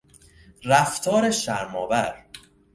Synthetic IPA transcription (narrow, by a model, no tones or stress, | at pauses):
ræft̪ʰɒːɾeʃæɾmɒ̰ːvæɾ